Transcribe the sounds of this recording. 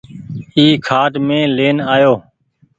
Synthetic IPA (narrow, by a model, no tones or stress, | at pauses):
iːkʰaːʈmẽːleːnaːjoː